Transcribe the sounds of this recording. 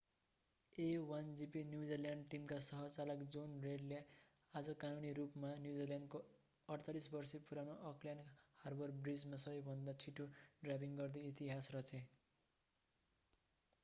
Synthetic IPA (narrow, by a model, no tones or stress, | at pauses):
ewand͡zipinjud͡ziljaɳɖʈimkasʌɦʌt͡salʌkd͡zonreɖle | ad͡zʌkanuniɾupmanjud͡ziljaɳɖko | ʌɽt͡salisbʌrsipuɾanoʔʌkljanharbʌrbrid͡zmasʌbʌjbʱʌnd̪at͡sʰiʈoɖrabiŋɡʌrd̪eit̪iɦasrʌt͡sʰe